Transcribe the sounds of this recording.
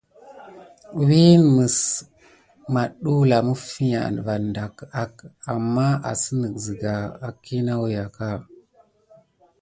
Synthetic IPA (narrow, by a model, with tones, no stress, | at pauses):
wi˦nmə˨s | ma˨ɗu˦la˨mu˦fi˦ɲa̰˨n˨va˨nda˨ka˨ka˨mːa˦a̰˨sə˦nə˨kzi˨ɡa˨a˨ki˦na˦wja˨ka˦˨